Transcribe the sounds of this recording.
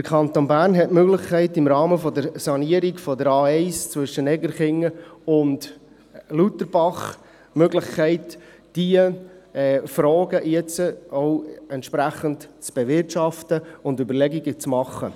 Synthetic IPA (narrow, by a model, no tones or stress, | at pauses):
d̥əɾkʰɑnt̪onbæːɾnɦɛtmøɡlɪχkʰɛɪtɪmɾɑːməfɔdəɾsɑniəɾiɡfɔdəɾɑːɛɪst͡sʋʏʃənɛɡəɾχɪŋəʊnd | lutəɾb̥ɑχ | møɡlɪχkʰɛɪt | d̥iəɛːfɾɔːɡəʔjɛt͡səoʊɛntʃpɾæχəntt͡sb̥ɛvɪɾtʃɑftəʊndybəɾlɛɡiɡət͡smɑχːə̰